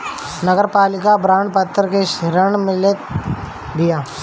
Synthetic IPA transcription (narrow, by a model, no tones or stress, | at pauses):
nəɡəɾpaːlɪkabɾaːɳɖpət̪ːəɾkeʃɪɾəɳmɪlət̪ | ɡijaː